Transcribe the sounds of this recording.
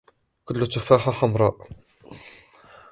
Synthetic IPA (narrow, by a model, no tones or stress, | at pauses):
kʊlːʊt̪ʊfaːħaħamɾˤɑʔ